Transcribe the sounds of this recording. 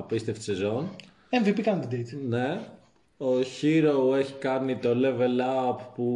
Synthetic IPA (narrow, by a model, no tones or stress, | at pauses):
pist̪eft̪i̥sezo̞n | eɱvipikɐnd̪id̪ejt̪ne | oçiɾoweçi̥kɐnit̪o̞leve̞lɐppu